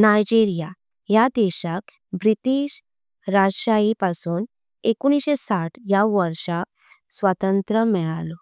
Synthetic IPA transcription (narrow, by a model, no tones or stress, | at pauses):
najd͡ʑiɾija | jad̪ɛɕak | bɾit̪iːɕ | ɾaɕaipasuːn | ekuñiɕesaʈʰjaʋəɾʂak̚ | sʋat̪ənt̪ɾəmɛɭalo